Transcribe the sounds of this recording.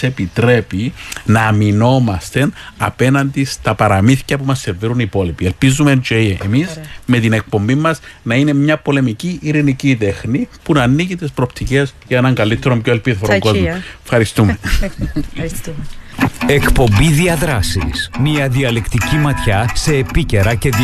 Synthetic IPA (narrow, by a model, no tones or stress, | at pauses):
se̞pit̪ɾe̞pinɐːmino̞mɐst̪e̞nɐ̰pe̞nɐnd̪ist̪ɐpɐɾɐmiθcɐpumɐsːe̞ɾveɾunipo̞lipielpizumend͡ʒeiʔemizme̞t̪ine̞k̚po̞mbimːɐznɐine̞mɲɐpo̞le̞miciʔːɾinicit̪e̞xnipunɐːnːiɣit̪espɾopt̪ice̞zʝɐenɐŋɡɐlit̪ːe̞ɾo̞mpçoelpiðoɾoɡozmofxɐɾist̪ume | ekpo̞mbiðiɐðɾɐsismiɐðiɐlekt̪icimɐt̪çɐse̞ːpice̞ɾɐce